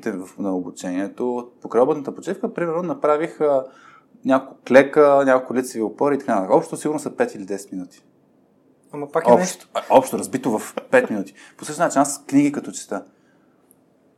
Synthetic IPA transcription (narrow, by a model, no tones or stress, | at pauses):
t̪ɛvɐfnɐobut͡ʃɛniɛt̪opokɾɐɔbət̪nət̪əpot͡ʃifkəpɾimɛɾnonɐpɾavixə | nʲakokʊklɛkənʲakolˠkʊlit̪səviopɔɾit̪ɐkant̪akɔpʃt̪t̪siɡʊɾnosɐpɛt̪ilid̪ɛsɛ̥t̪minut̪i̥ | amɐpakɔpʃʃɔpʃt̪oɾɐzbit̪ovɐfpɛt̪minut̪i̥posəʃt̪at͡ʃinaskniɡikɐt̪ɔt͡ʃɛ̥t̪ə